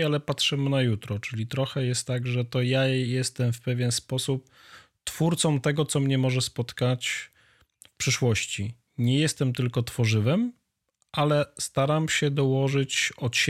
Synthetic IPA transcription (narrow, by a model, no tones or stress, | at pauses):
alɛpatʂɘmɘnajut̪ɾɔt͡ʂɘlʲit̪ɾɔxɛjɛst̪ːaɡʐɛt̪ɔjajɛst̪ɛmfpɛvʲjɛnspɔsup̚ | t̪fuɾt̪sɔm̃t̪ɛɡɔt̪sɔmɲɛmɔʐɛspɔt̪kat͡ɕ | fpʂɘʂwɔɕt͡ɕi | ɲɛjɛst̪ɛmt̪ɘlkɔt̪fɔʐɘvɛm | ʔalɛst̪aɾamɕɛd̪ɔwɔʐɘt͡ɕɔt̪ɕ